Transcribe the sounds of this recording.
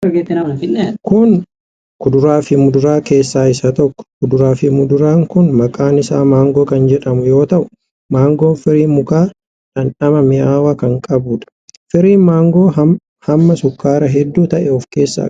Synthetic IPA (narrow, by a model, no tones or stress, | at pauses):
ɡet̪ːɪnfɪnːkʊn | kʊd̪ʊɾaːfɪmʊd̪ʊɾaːke̞ːsːaːɪsɐt̪ɔkːɔ̥kʊd̪ʊɾaːfɪmʊd̪ʊɾaːŋkʊnmɐkʼaːnɪsaːmaːŋɡo̞ːkɐnd͡ʒɛᶑɐmʊjo̞ːt̪ɐʔʊ̥ | maːŋɡo̞ːnfɪɾiːmʊkaː | ᶑɐnᶑɐmɐmɪjaːwakɐŋkʼɐbuːᶑ̪ɐ̥fɪɾiːmaːŋɡoː | hɐmːɐsʊkːaːɾɐɦɛd̪ːuːt̪ɐʔɛɔfke̞ːsːa̰ː